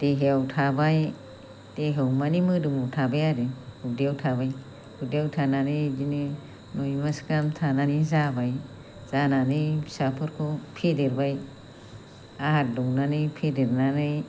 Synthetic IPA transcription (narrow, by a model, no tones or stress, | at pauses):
teɦeawtʰabaj | teɦawmanimɯdɯmuwtʰabajaɾɯhudiawtʰaβaj | hudeawtʰananɯjd͡ʒinɯ | nojmaskamtʰananizabaj | z̥ananɯjisapʰɯɾkʰɔpʰedeɾbaj | aɦat̚dɔŋnanɯjpʰedeɾnanɯj